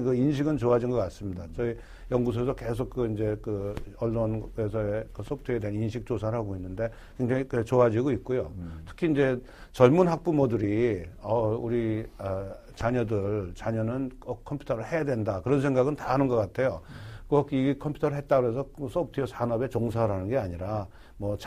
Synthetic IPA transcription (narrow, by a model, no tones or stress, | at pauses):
kɯinɕ̬ʰiɡɯnt͡ɕoad͡ʑinŋɡʌk͈ats͈ɯmɲidat͡ɕʌi | jʌŋɡus̬ʰos̬ʰʌkesʰok̚k͈ɯind͡ʑe̞kɯʌɭːonesʰʌekɯs͈ʰʌp̚tʰeedweninɕʰik̚t͡ɕ͈osʰaɾɯɭɦaɡoinːɯnde̞ | kwe̞ŋd͡ʑaŋikt͡ɕoad͡ʑiɡoit̚k͈ojotʰɯ̥kʰiind͡ʑe̞ | t͡ɕʌɭmunɦak̚p͈umʌduɾiʌuɾiʌ | t͡ɕaɲʌdɯɭt͡ɕaɲʌnɯnʌkʰʌmpʰju̥tʰʌɾɯɭhe̞jadwe̞ndakɯɾʌns̬ʰe̞ŋɡaɡɯntaɦanɯnɡʌk͈atʰe̞jokʌɡiɡikʰʌmpʰju̥tʰʌɾɯɭɦet̚t͈aɡɯɾes̬ʰʌsʰʌp̚tʰijosʰanʌbe̞t͡ɕoŋs̬ʰaɾanɯnɡeaɲiɾa | mʌt͡ɕʰ